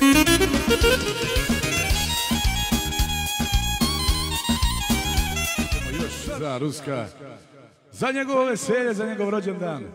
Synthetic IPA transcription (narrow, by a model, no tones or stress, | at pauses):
joʃzaɾuskaː | zaɲeɡoʋoʋeseːʎezaɲeɡoʋɾod͡ʑend̪aːn